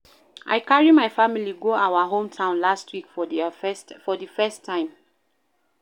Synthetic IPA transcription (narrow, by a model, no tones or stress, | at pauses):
ʔa̰ɪkaɹimaɪfamiliɡoawaɦõmtʰãʊ̃nlastʰwikfɔ | fɔdifɛstʰːãɪ̃m